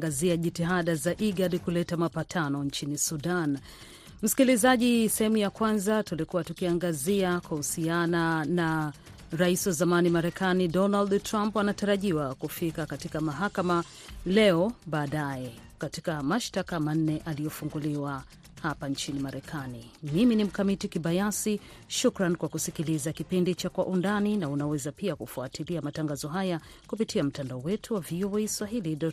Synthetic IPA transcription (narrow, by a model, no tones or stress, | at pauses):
ɡaziaʄitiɦaɗazaʔiɡaɗikulɛtamapatʰanɔɲt͡ʃinisuɗan | m̩si̥kilizaʄisɛhɛmujakwanzatulikuwatukiaŋɡaziakwahusianana | ɾaisiwazamanimaɾɛkanidɔnaldtɾampwanataɾaʄiwakufikakatikamaɦakama | lɛɔɓaːɗajɛ | katikamaʃtakaman̩ːɛʔaliɔfuŋɡuliwa | hapant͡ʃinimaɾɛkʰanimiminim̩kamitikiɓajasi | ʃukɾankwakusikilizakipindit͡ʃakwaʔundaninaunawɛzapiakufuatʰiliamataŋɡazɔɦaja | kupitiam̩tandaɔwɛtʰuwavioɛjswaɦilidɔ